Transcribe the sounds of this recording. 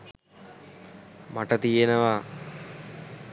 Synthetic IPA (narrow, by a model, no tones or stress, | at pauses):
maʈət̪ijenəʋa